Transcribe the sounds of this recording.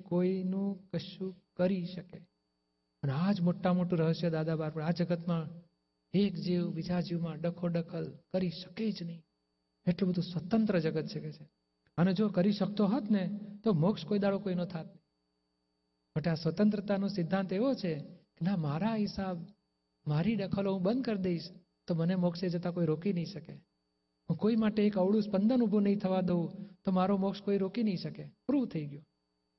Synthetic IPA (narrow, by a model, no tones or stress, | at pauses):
koinũkəʃũkəɾiʃəke | pənad͡ʒmoʈːamoʈũɾəɦəʃjəd̪ad̪abaɾpəɳad͡ʒəɡət̪mã | ekd͡ʒiʋbid͡ʒad͡ʒiʋmãɖəkʰoɖəkʰəlkəɾiʃəked͡ʒnəɦĩ | eʈlobəd̪ʱũsʋət̪ənt̪ɾəd͡ʒəɡət̪̚t͡ʃʰeket͡ʃʰe | əned͡ʒokəɾiʃək̚t̪oɦət̪net̪oməkʃkoid̪aɭokoinõt̪ʰat̪̚nəɦĩ | məʈeasʋət̪ənt̪ɾət̪anõsɪd̪ʱːant̪eʋot͡ʃʰekenamaɾaɦɪsab | maɾiɖəkʰəloɦũbənd̪̚kəɾd̪eiʃ | t̪omənemɔkʃed͡ʒət̪akoiɾokinəɦĩʃəke | ɦũkoimaʈeːkəʋɭũspənd̪ənubʱonəɦĩt̪ʰəʋad̪eũt̪omaɾomokʃkoiɾokinəɦĩʃəkepɾut̪ʰəiɡjo